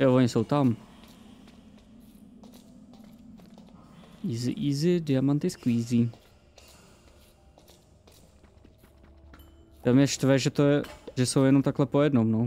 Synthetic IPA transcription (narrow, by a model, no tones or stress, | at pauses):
jovoɲɪsowt̪am | iːzɪ̰ʔiːzɪdɪamant̪ɪskuiːzi | t̪amjɛʃt̪vɛʒɛt̪ojɛʒɛsowjɛnomt̪aklɛpojɛdnomno